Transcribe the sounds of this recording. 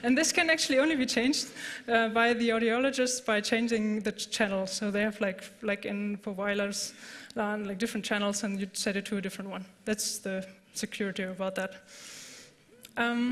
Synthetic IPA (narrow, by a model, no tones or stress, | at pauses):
ɨ̃nðɪskʰɨ̃næk̚t͡ʃʉl̩iõʊ̃nlibit͡ʃʰẽɪ̃nd͡ʒdʌbaɪðiɔɾiɔlˠəd͡ʒɨstsb̥aɪt͡ʃʰẽɪ̃nd͡ʒɪ̃ŋðɨt͡ʃʰænl̩ˠz̥soʊðeɪɨvlaɪklaɪkɪ̃npovaɪlə˞z̥ãnlaɪk̚d̥ɪfɹə̃nt̚t͡ʃʰænl̩ˠzə̃njɨsɛɾɨtʰudɪfɹə̃nt̚wʌ̃nðætsðɨ | sɨkʰj̥ʊɹɨɾiəbaʊt̪̚ðæt̚ | ʔʌ̃m